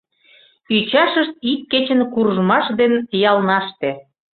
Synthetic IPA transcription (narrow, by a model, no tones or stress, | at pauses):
yt͡ɕɑʃəʃt̪̚ik̚ket͡ɕə̆nkurʒmɑʃd̪enjɑlnɑʃt̪e